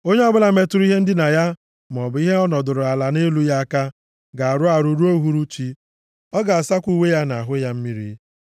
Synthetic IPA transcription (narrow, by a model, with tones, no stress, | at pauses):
o˦ɲe˦ɔ˦bʊ˦la˨me˦tʊ˦ɾi˦ɦe˦n̩˦dɪ˦na˨ja˦ | m˨ɔ˨bʊ˨˦i˦ɦe˦ɔ˦nɔ˨dʊ˨ɾʊ˨a˨la˨ne˦lu˦ja˦a˦ka˦ | ɡa˨a˨ɾʊ˦a˨ɾu˨ɾu˦o˦ɦu˦ɾu˦t͡ʃi˦ | ɔ˦ɡa˨a˨sa˦kʷu˦we˦ja˦na˨ɦʊ˦ja˦m̩˦mi˦ɾḭ˦